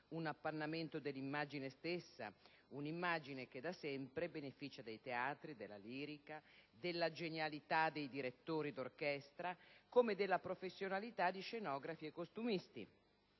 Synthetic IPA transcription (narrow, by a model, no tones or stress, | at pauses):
unapːanːament̪od̪elːimːaːd͡ʒinest̪esːa̰ | unimːaːd͡ʒineked̪asɛmpɾebenefiːt͡ʃad̪ejt̪eaːt̪ɾid̪elːa̰liːɾikad̪elːad͡ʒenjalit̪ad̪ejd̪iɾet̪ːoːɾid̪orkɛst̪ɾakomed̪elːapɾofesːjonalit̪ad̪ːiʃenɔːɡɾafiekːost̪umist̪ḭ